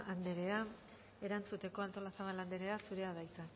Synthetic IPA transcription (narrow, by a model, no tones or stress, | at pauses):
ʔand̪eɾe̞a | e̞ɾant͡sut̪e̞ko̞ant̪o̞lasaβ̞aland̪e̞ɾe̞asuɾe̞aðajt͡sa